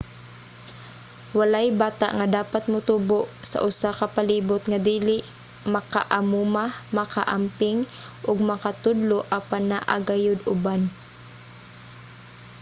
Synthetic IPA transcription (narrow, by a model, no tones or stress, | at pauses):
walajbaːt̪a̰ʔŋad̪aːpat̪̚mʊt̪uːboʔsa̰ʔʊsakapaliːbʊt̪ŋad̪iːlɪʔ | mɐka̰ʔamuːmamɐkaʔampɪŋ | ʔʊɡ̚mɐkat̪ʊd̪loʔapanːaʔa̰ɡajʊd̪ʊban